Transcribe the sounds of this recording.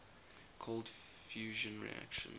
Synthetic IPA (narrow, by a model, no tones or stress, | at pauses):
kʰɔlˠd | fjʉːʒə̃nɹḭa̰kʃə̰̃n